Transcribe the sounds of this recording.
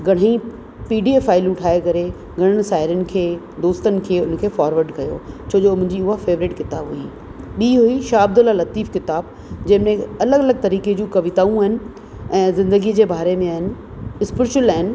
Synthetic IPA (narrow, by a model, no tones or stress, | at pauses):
ɡʱɐɽ̤ĩ | piːɖieːfaːɪlũʈʰaːekɐɾe | ɡʱɐɽ̤̃əɽ̃̆saːɦɪɾjənɪ̆kʰeː | d̪oːst̪ənɪ̆kʰeːʊnəkʰeːfaːɾʋəɾɖkɐjo̰ːt͡ɕʰoːd͡ʑoːʊnʊ̃ɲd͡ʑiʊɦafeːʋɾɪʈkɪt̪aːbɦui | ɓiːɦuiʃaːɐb̚d̪ʊlalɐt̪iːfkɪt̪aːb̚ | d͡ʑɐ̃ɦɪ̃mẽɐləɡɐləɡ̚t̪ɐɾiːked͡ʑũːkɐʋɪt̪aːũaːɦɪnɪ̆ | ɛ̃ːzɪ̃nd̪əɡid͡ʑeːbaːɾemẽaːɦɪnɪ̆ | ɪspɪɾɪʃʊlaːɦɪnɪ̆